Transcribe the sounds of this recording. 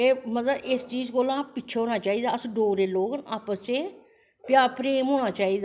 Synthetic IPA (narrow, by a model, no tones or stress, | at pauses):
eːmət̪ləɪst͡ʃiːzkoːlãːpitːt͡ʃʰaɦoːnaːt͡ʃaːiːd̪aːəsɖoːɾeːloːɡənaːpəst͡ʃeː | pɪjaːɾpɾeːmɦoːñaːt͡ʃaːiːd̪a